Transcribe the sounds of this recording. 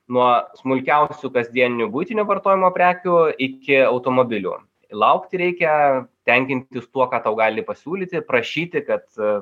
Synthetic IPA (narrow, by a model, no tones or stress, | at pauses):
nuɔsmʊlʲkʲɛʊsʲukɐzʲd̪ʲiɛnʲnʲubʊɪt̪ʲɪnʲoːʋɐrt̪oːjɪmoːpʲɾʲæːkʲuɪkʲɪɐʊt̪oːmoːbʲɪlʲṵː | lˠɐʊkt̪ʲɪɾʲɛɪkʲɛt̪ʲɛŋʲkʲɪnʲt̪ʲɪst̪uɔkɑːt̪ɐʊɡɑːlʲɪpɐsʲuːlʲiːt̪ʲɪpɾɐʃʲiːt̪ʲɪkɐt̪